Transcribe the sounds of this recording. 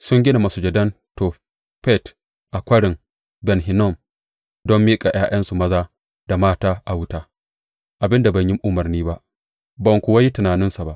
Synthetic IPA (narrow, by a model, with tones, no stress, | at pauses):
sʊ˦ŋɡʲɪ˦na˨mɐ˨su˨d͡ʒɛ˨dɐ˦n | toː˨ | ɸɛ˦˨t | ʔa˨kʷɐ˦ɽɪ˨ŋ | bɛ˨nɦɪ˨nɔ˦˨m | dɔ˦mːiː˦kʼa˨ʔj̰aː˦jʔɐ˦nsu˨mɐ˦zaː˦ | d̥a˨maː˦taː˦ʔa˨wʊ˦taː˦ | ʔa˨bɪ˦nda˨bɐ˨ɲ˦jɪ˦ŋʔʊ˦mɐ˨rniː˦ba˦ʔ | bɐ˨ŋkʷʊ˨wɐ˦ji˦tɪ˨naː˨nɪ˦nsa˨ba˦ʔ